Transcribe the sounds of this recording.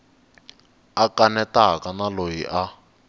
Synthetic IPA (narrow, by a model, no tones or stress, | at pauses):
akanɛtakanalojiʔa